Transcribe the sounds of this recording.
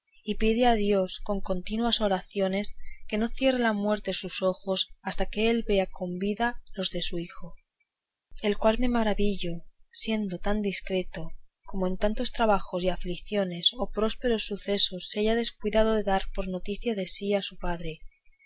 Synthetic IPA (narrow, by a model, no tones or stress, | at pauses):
ipiðeaðjo̞sko̞ŋko̞nt̪inwaso̞ɾaθjo̞ne̞ske̞no̞θje̞relamwe̞ɾt̪esuso̞xo̞sast̪akeelβe̞akʰo̞mbiðalo̞zðe̞suixo̞ | e̞lkwalme̞maɾaβiʎosje̞nd̪o̞t̪and̪iskɾe̞t̪o̞ko̞moe̞nt̪ant̪o̞st̪ɾaβaxo̞siaflikθjo̞ne̞so̞pɾo̞spe̞ɾo̞sːuθe̞so̞sːaʝaðe̞skwiðað̞oðe̞ðaɾpo̞ɾno̞t̪iθjaðe̞siasupaðɾe̞